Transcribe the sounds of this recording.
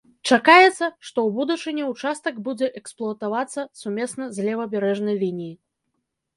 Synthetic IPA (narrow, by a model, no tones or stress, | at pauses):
t͡ʂakajɛt̪sːɐʂt̪ɔwbud̪ut͡ʂɨnʲɛwt͡ʂast̪ɐɡbud͡zʲɛʔɛksplˠuɐt̪avat̪sːɐsumʲɛsnɐzʲlʲɛvɐbʲɛɾɛʐnɐjlʲinʲiji